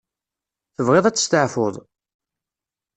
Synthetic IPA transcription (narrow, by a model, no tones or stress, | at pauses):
θəvʁeɪðˤæt͡sːə̥st̪əʕfʊðˤ